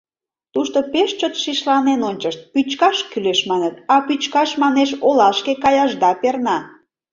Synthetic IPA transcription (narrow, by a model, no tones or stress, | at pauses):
t̪uʃt̪opeʃt͡ɕət̪ʃiʃlɑnenonʲt͡ɕəʃt̪̚pyt͡ɕkɑʃkyleʃmɑnət̪ɑpyt͡ɕkɑʃmɑneʃolɑʃkekɑjɑʒd̪ɑpernɑ